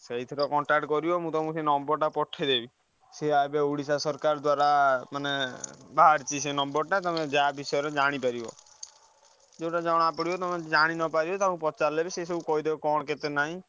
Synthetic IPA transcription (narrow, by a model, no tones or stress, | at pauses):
seɦit̪ʰiɾɔkɔɳʈak̚ʈkɔɾibɔmũt̪ɔmũsenɔmbɔɾʈapɔʈʰːed̪ebi | seajbeuɽisasɔɾkaɾɔd̪waɾamanebaɦaɾt͡ʃisenɔmbɔɾʈat̪ɔmed͡ʒabisɔjɔɾed͡ʒaɽ̃ipaɾibɔ̰ | d͡ʒewʈad͡ʒaɽ̃apɔɽibɔt̪ɔmed͡ʒaɽ̃inɔpaɾibɔt̪amũpɔt͡ʃallebesesɔbukɔɦid̪ebɔkɔɽ̃ket̪enaɦĩ